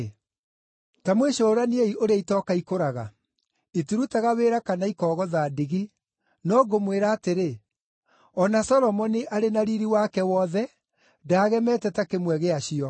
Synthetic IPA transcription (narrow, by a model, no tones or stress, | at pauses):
tamweʃoːɾanieiʔoɾeitɔkaikoɾaɣa̰ | itiɾutaɣaweːɾakanaikɔːɣɔðaːdiɣi | nɔːɡomweɾaːteɾe | ɔnasɔlɔmɔniʔaɾenaɾiɾiwaːkɛwɔðɛ | daːɣɛmɛtɛtakemwɛɣeaɕiɔ